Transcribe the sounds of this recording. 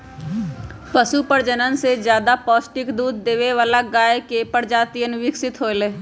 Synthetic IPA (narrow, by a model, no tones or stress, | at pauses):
pəsupəɾd͡ʒənənsed͡ʒjaːd̪apɔːsʈɪkd̪uːd̪ːeːʋeʋaːlaɡaːekepəɾd͡ʒaːt̪ijənʋɪksɪt̪ɦoːleː